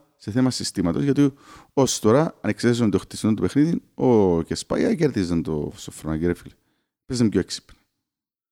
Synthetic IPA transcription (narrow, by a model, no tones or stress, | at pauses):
seθemɐsist̪imɐt̪o̞zʝɐt̪iost̪oɾɐɐneksesond̪oxt̪i̥snont̪upexniðiocespɐ̰jɐ̰ceɾðizɐnt̪o̰sofɾonɐjiɾefil | pezɐmɟoeksi̥pni